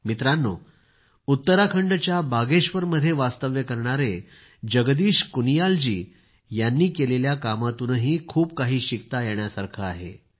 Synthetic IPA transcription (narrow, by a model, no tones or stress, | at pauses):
mit̪ɾanːo | ut̪ːəɾakʰəɳɖt͡ɕjabaɡeɕʋəɾməd̪ʱːjeʋast̪əʋjəkəɾɳ̃aɾe | d͡ʑəɡd̪iːɕkunijald͡ʑiː | janːiːkeleljakamat̪uːnɦiːkʰuːpkaɦiːɕikt̪ajɛɳjasaɾkʰəaɦḛ